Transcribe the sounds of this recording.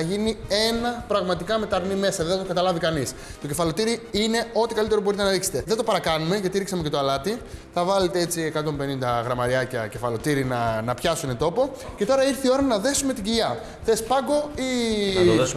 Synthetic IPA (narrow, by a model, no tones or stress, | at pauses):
ɐʝinie̞nɐpɾɐɣmɐt̪ikɐme̞t̪ɐɾnime̞sɐðe̞θɐt̪okɐt̪ɐlɐvikɐnis | t̪o̞ce̞fɐlo̞t̪iɾiine̞o̞t̪ikɐlit̪eobo̞ɾit̪e̞nɐɾikse̥t̪e̞ðe̞t̪o̞pɐɾɐkɐnume̞ʝɐt̪iɾiksɐmece̞t̪oɐlɐt̪iθɐvɐle̞t̪ee̞t͡sie̞kɐt̪o̞mbe̞nind̪ɐɣɾɐmɐɾiɐcɐce̞fɐlo̞t̪iɾinɐnɐpçɐsune̞t̪o̞po̞ce̞t̪o̞ɾɐiɾθio̞ɾɐnɐðe̞sume̞t̪iɟiʝɐ | θe̞spɐɡo̞ioðe